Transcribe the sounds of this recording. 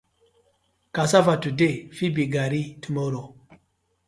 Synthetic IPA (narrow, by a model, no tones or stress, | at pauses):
kasavatudefibiɡaɾitumoɾo